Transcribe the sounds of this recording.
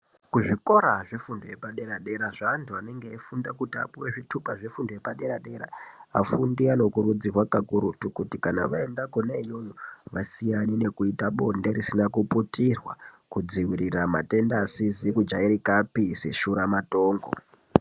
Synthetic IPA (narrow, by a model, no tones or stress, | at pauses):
kuʐiko̞ɾaʐe̞fundoje̞paɗe̞ɾaɗe̞ɾaʐantʰuane̞ŋɡeifundakutia̰puweʐitʰupaʐe̞fundoje̞paɗe̞ɾaɗe̞ɾa̰a̰fundiano̞kuɾud͡zirwakakuɾutukutikana̰ʋaendako̞nejojoʋasijanine̞kuitaɓo̞nde̞ɾisinakuputirwa̰ | kud͡ziwirirama̰te̞ndasizikud͡ʒaiɾikapise̞ʃuɾamato̞ːŋɡo̞̰